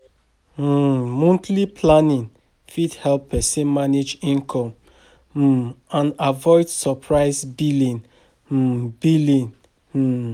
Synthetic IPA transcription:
mɔ̃ntlipʰlanĩn | fidhɛlpːɛsɛ̃nmaned͡ʒĩnkʰɔ̃m | m̩ãnavɔɪdsɔpʰɹaɪsbilĩn̩ | bilĩn̩

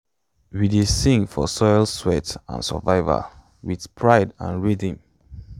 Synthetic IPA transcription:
widesĩŋfɔsɔɪlswɛtã̰nsə̰vaɪvə̰ | wið̥pʰɹaɪdã̰nɹidĩŋ

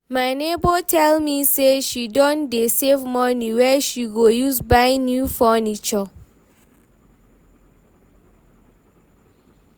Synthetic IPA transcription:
majnebɔtʰɛlmiseʃidɔ̃ndesevmɔniwɛʃiɡojusbajnjufɔnit͡ʃɔ

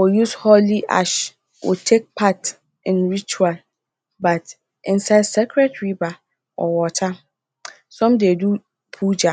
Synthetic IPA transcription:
wojushɔliʔa̰ʃ | wo̰tʰek̚pʰat | ɪ̃nɹit͡ʃual | bat | ɪ̃nsadsɛkʰɹɛdɹiba | ɔ̰wɔtʰa | sɔ̃mdedu | pʰud͡ʒa

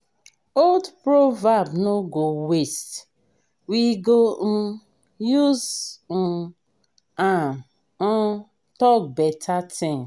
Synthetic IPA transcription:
oldpɾovabnoɡowest | wiɡo | juz̩ | ã | tɔk̚bɛtʰatʰɪ̃ŋ

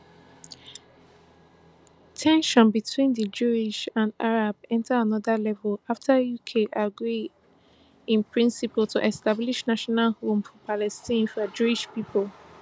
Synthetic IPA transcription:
tʰɛ̃nʃɔ̃nbitʰwĩndəd͡ʒuiʃãndaɹab̚ɛ̃ntaanɔðəlɛvəlaftʰajukʰeʔaɡɹi | ĩnpʰɹĩnsipəltʰuʔɛstabliʃnaʃɔnalhomfɔpʰalɛstĩnfɔd͡ʒuiʃpipʰɔlˠ

